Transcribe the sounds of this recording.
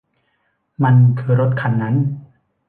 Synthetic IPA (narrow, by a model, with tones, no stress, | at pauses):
ma˧nkʰɯː˧ɾo˦˥t̪̚kʰa˧˩nːa˦˥n